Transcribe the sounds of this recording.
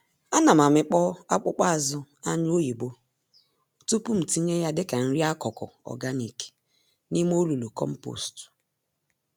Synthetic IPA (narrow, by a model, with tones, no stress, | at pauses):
a˦na˨ma˨mɪ˨k͡pɔ˦a˦k͡pʊ˦k͡pa˦a˨zʊ˦ | a˦ɲ˦o˦ji˨bo˦˨ | tu˦pu˦m̩˨ti˦ɲe˦ja˦dɪ˦ka˨n̩˦ɾi˦a˦kɔ˨kɔ̰˨ɔ̰˨ɡa˦ni˨ke̥˨ | ni˦m˦o˦lu˨lu˨kɔ̰˦m̩˦po̰˨st